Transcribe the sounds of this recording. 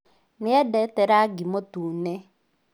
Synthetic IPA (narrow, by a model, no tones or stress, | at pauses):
nɪɛdɛtɛɾaɡimotunɛ